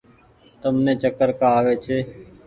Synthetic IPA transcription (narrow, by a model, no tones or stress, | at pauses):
t̪əmnẽːt͡ʃəkəɾkaːaːʋeːt͡ʃʰeː